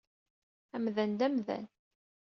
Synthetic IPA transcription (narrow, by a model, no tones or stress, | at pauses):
æmðænd̪æmðæ̰n